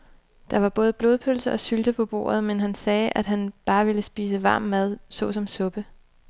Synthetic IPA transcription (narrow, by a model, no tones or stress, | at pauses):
d̥ɑ̈ʋɑ̈b̥ɔ̽ːð̞ˠəb̥loːð̞ˠpʰølsəʔɒ̽syld̥əpʰɒ̽b̥o̝̰ːɐð̞̩ˠmenɦænsɛːʔæd̥ɦænb̥ɑ̈ːʋe̝ləsb̥ḭːsəʋɑ̈ːmːæð̞ˠsɔ̽ːsɒ̽msɔ̽b̥ə